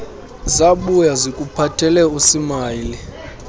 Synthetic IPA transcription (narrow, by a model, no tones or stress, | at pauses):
zaɓujazikʼupʰatʰɛlɛusimaːli